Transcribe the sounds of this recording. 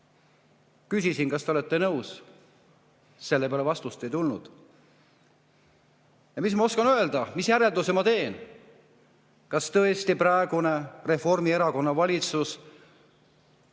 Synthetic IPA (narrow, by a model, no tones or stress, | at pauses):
kysʲisinkɑst̪e̞o̞le̞t̪ːe̞nɤws | se̞lːe̞peɑlevɑst̪ust̪e̞jt̪ulnṵd̪̥ | jɑmismɑo̞skɑnøe̞ld̪̥ɑmisjæɾe̞ld̪usemɑt̪e̞ːn | kɑst̪ɤ̞e̞st̪ipɾɑeɡ̥une̞re̞fo̞rmie̞ɾɑko̞nːɑvɑlʲit̪sus